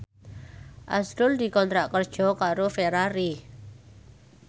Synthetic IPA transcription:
ʔa̰sɾʊld̪i̤kɔnt̪ɾaʔkərd̥ʒ̥ɔ̤kaɾofeɾaɾi

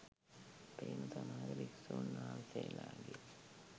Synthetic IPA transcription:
peːimusamaːɡəɾiksunːaːlseːlaːɡe

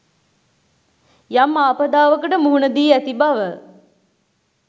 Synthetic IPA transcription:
jamːaːpəd̪aːʋəkəʈəmuɦunəd̪iːæt̪ibaʋə

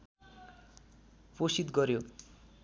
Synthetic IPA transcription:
posit̪ɡʌɾjo

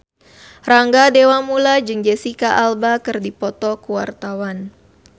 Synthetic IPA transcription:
raŋɡadewamulad͡ʒɨŋd͡ʒɛsikaʔalbakɨrdipɔt̪ɔkuwa̰rt̪awan

